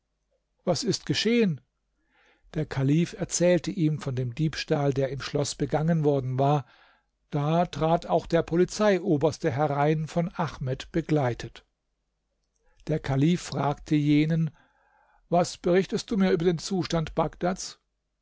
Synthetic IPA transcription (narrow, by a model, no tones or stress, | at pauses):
vasɪstɡ̥əʃeːən | d̥eːɐkʰaliːfɛɐt͡sɛːltəʔiːmfɔndeːmdiːpʃtaːldeːɐɪmʃlɔsb̥əɡaŋənvɔɐdn̩vaːɐ | d̥aːtʁ̥aːtaʊxd̥eːɐpʰɔlit͡saɪʔoːbɐstəɦɛʁaɪnfɔnʔaxmɛtb̥əɡlaɪtʰət | d̥eːɐkʰaliːfːʁ̥aːktʰəjeːnən | vasb̥əʁɪçtəst̚d̥uːmiːɐyːbɐdeːnt͡suːʃtantb̥akd̥at͡s